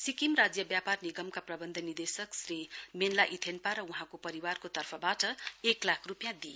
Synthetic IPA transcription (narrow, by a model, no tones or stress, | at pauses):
sikimrad͡zjʌbjaparniɡʌmkaprʌbʌnd̪ʱʌnird̪esʌksrimenlaʔit̪ʰenpaɾʌuɦãkopʌɾiwarkot̪ʌrpʰʌbaʈʌeklakʰrupjãd̪i